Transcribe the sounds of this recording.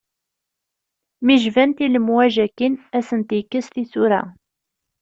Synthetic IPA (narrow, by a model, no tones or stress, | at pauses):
miʒvænt̪iləmwæʒækːinæsənt̪jkːəsθisuɾæ̰